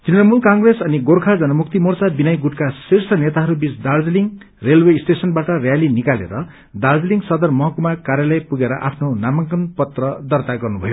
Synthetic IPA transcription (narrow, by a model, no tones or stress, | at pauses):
t̪rinʌmulkaŋɡresʌniɡorkʰad͡zʌnʌmuk̚t̪imort͡sabinʌjɡuʈkasirsʰʌnet̪aɦʌɾubit͡sd̪ard͡zliŋ | relwesʈesʌnbaʈʌrjalinikalḛɾʌ | d̪ard͡zliŋsʌd̪ʌrmʌɦʌkumakaɾjalʌjpuɡeɾʌʔa̰pʰnonamʌŋkʌnpʌt̪rʌd̪ʌrt̪aɡʌrnubʱʌjo